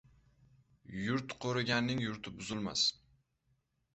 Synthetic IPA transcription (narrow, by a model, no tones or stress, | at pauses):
jʊɾt̪qʰoɾɪɡʲanːɪŋjʊɾt̪ʰɪbʊzɪlma̰s